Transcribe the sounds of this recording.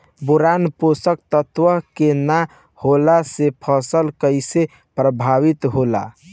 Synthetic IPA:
buɾanposəkt̪ət̪wəɦkena | holasepʰəsəlkəjse | pɾəbʱaʋit̪ɦola̰

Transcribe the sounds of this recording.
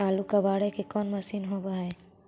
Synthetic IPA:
alukəbaɽekekɔnməsinɦobae

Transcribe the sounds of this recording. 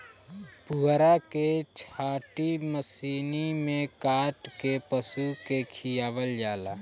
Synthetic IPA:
puɦɾaket͡ʃʰaːʈiməsiːnimẽkaːʈkepəsukekʰijaːʋəld͡ʒaːlaː

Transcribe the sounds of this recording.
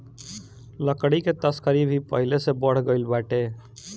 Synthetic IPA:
ləkɽiket̪əskəɾibʱipəɦilesebəɽ̤ɡəɪlbaʈe

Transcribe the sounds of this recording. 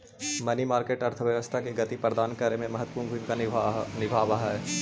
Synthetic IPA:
mɐnimaːɾkeːʈɐɾt̪ʰəʋjɐʋəst̪ʰakeɡɐt̪ipɾɐd̪aːnkəɾemẽmɐɦət̪ːpuːɾnbʱuj̃kanɪbʱaːʋaɦɛː

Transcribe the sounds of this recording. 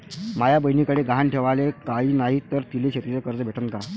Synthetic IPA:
majabəjnikəɽeɡanʈʰeʋalekaiːnaɦit̪əɾt̪ileɕʰet̪ɾit͡səkəɾd͡zəbʱeʈʰənka

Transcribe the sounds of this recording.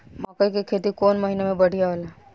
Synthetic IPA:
mɔ̃ːkəikekʰeːt̪ikoːnmɐɦinemẽbɐɽ̤ʱijaɦolaː

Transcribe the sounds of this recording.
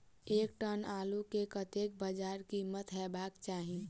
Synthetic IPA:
ek̚ʈənalukekət̪ek̚bəd͡ʒaɾkimːət̪ɦɛbakt͡ʃaɦi

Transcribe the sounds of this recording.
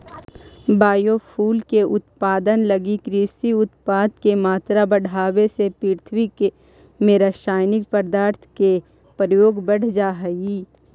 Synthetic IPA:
baːjopʰuːlkeʔʊt̪paːd̪ənlɐɡikɾiːsiʊt̪paːd̪kemaːt̪ɾabɐɽ̤ʱaːwesepiːɾt̪ʰʋike | mẽɾəʃaːjnɪk̚pəɾd̪aːɾt̪ʰke | pɾjoːɡbəɽ̤d͡ʒaːɦɛɡiː

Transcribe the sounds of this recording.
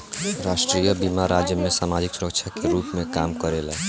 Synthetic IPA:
ɾaːʃʈɾiːjəbimaɾaːd͡ʒjəmẽsaːmaːd͡ʒɪksʊɾəkʃʰakeɾuːpmẽkaːmkəɾeːla

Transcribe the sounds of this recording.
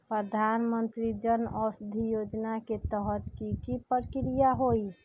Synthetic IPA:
pɾəd̪ʱanmənt̪ɾid͡ʒənɔsd̪ʱijod͡ʒnaket̪əɦət̪kikipəɾkɾijaɦoj

